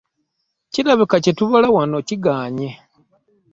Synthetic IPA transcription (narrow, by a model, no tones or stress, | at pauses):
ciɾaβikacetuβolawanociɡaːɲe